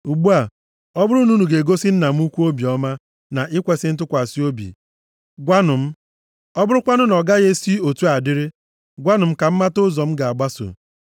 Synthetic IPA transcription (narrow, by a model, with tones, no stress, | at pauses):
u˨ɡ͡bu˦a˨ | ɔ˦bʊ˦ɾu˦nu˦nu˨ɡe˨ɡo˦si˦n̩˦na˨m̩˦u˦kʷu˦o˦bi˨ɔ˦ma˦ | na˨ʔɪ˦kʷe˨sɪ˦n̩˦t̬ʊ˦kʷa˨si˦o˦bḭ˨ | ɡʷa˦nʊ˨m̩˦ | ɔ˦bʊ˦ɾʊ˦kʷa˦nʊ˦nɔ˨ɡa˦ɣe˦si˦o˨tu˦a˨dɪ˦ɾɪ˦ | ɡʷa˦nʊ˨m̩˦ka˨m̩˦ma˦tʊ˦zɔ˨m̩˦ɡa˨a˨ɡ͡ba˦so̰˨